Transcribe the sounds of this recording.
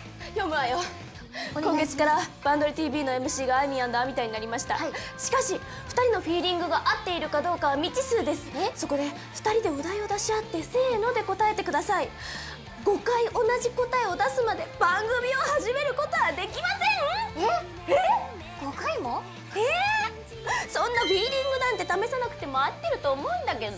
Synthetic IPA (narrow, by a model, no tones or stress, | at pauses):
jo̞mɯ̟ajo | kõ̞ŋɡe̞t͡si̥kaɾab̥ãnd̪oɾɯ̟t̪ʲiːbʲiːno̞e̞mɯ̟ɕiːɡaːimʲiãnd̪aamʲit̪aiɲ̟inaɾʲimaɕi̥t̪a̰ɕi̥kaɕi | ɸɯ̥t̪aɾʲino̞ɸʲiːɾʲĩŋɡɯ̟ɡaʔat̪ːe̞iɾɯ̟kad̪o̞ːkaβamʲit͡ɕisɨːd̪e̞sɨ̥so̞ko̞d̪e̞ | ɸɯ̥t̪aɾʲid̪e̞ɯ̟d̪aio̞d̪aɕiat̪ːe̞se̞ːno̞d̪e̞ko̞t̪ae̞t̪e̞kɯ̟d̪asai | ɡo̞kaiʔo̞naʑiko̞t̪aeo̞d̪asɨmad̪e̞b̥ãŋɡɯ̟mʲio̞haʑime̞ɾɯ̟ko̞t̪o̞ɡad̪e̞kʲimasẽ | e | ɡ̥okaimo | e | sõ̞nːaɸʲiːɾʲĩŋɡɯ̟nãnt̪e̞t̪ame̞sanakɯ̟̥t̪e̞mo̞at̪ːeɾɯ̟t̪o̞ːmo̞ɯ̟̃nd̪ake̞d̪o